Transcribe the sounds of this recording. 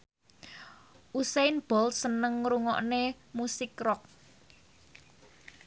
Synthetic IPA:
ʔusenb̥ɔ̤lsənəŋɾuŋɔ̰ʔne | musɪkrɔk̚

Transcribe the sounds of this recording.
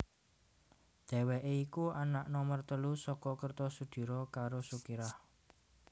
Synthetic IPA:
d̪̥ɛ̤wɛʔeikuanaʔnɔmərt̪əlusɔkɔkərt̪ɔsud̪̥i̤ɾɔkaɾosukiɾah

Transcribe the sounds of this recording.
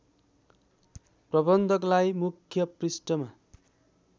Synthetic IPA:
prʌbʌnd̪ʱʌklajmukʰjʌprisʈʌma

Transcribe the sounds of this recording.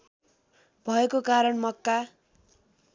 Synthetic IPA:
bʱʌekokaɾʌɳmʌkːa

